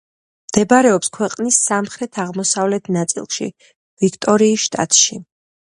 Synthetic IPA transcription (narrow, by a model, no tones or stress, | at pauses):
md̪̥ɛbaɾɛɔpskʰwɛqʼnisːamχɾɛt̪ʰaʁmɔsavlɛt̪ʰnat̪sʼḭlˠʃḭ | v̥ikʰt̪ʼɔɾiːsʃt̪ʼa̰t̪ʼʃi